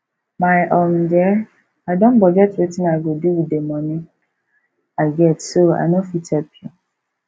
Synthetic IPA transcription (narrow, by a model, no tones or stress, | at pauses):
maɪʔɔm̩d͡ʒɛ | aɪdõnbɔɡɛtɾitɪnaɡoduwidemɔni | aɪɡɛtsoa̰nofitɛpju